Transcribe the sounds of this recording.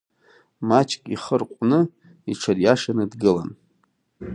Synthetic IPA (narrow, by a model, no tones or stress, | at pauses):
mat͡ʃʰʼkʼiχərqʷʼnɨ | iʈ͡ʂʰarjaʂanɨdɡɨla̰n